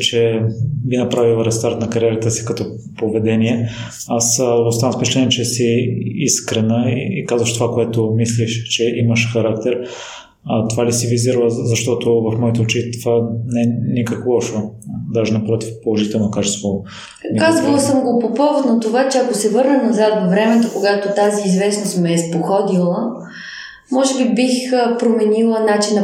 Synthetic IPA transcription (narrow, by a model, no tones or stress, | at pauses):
t͡ʃɛbinɐpɾavilˠɾɛst̪aɾt̪nɐkɐɾiɛɾət̪əsi̥kɐt̪ɔ | povɛd̪ɛniɛ | asost̪anəfpɛt͡ʃɛlɛniɛt͡ʃɛsiiskɾɛnəiikazvəʃt̪ovakoɛt̪omisliʃt͡ʃɛiməʃxɐɾak̚t̪ɛɾ | ɐt̪ovalisiviziɾlˠəzɐʃt̪ɔt̪ovɐfmɔit̪ɛot͡ʃit̪ovanɛɛnikəkvolˠɔʃod̪aʒɛnɐpɾɔt̪ifpolˠoʒit̪ɛlˠnokat͡ʃɛst̪vo | mikazvɐlˠəsəmɡopopɔvot̪nɐt̪ovat͡ʃɛɐkosɛvɤɾnɐnɐzat̪vɐvɾɛmɛt̪okoɡat̪ot̪aziːzvɛsnost̪mɛːspoxɔd̪ilˠə | mɔʒɛbibixpɾomɛnilˠənat͡ʃinɐ